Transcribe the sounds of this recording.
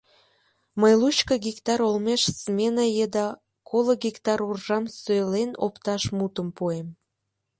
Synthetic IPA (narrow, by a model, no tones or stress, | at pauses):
məjlut͡ɕkəɡikt̪ɑɾolmeʃsmʲenəjed̪ɑ | kʰoloɡikt̪ɑɾurʒɑmsøleno̰pt̪ɑʃmut̪əmpuem